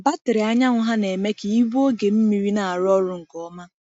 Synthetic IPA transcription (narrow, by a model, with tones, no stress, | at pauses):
ba˦tɪ˨ɾɪ˨a˦ɲa˦ŋʷʊ˦ɦa˦ne˨me˦ki˨i˦bu˦o˦ɡe˨m̩˦mi˨ɾi˦na˨a˨ɾɔ˦ɾʊ˦ŋ̩˨kɔ˦ma˦